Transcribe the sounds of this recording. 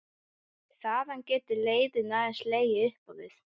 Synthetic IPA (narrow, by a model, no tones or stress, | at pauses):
θaðancɛːt̪ɪleːjðɪnaːðɛnsleːjɪʏhpɔwðɪθ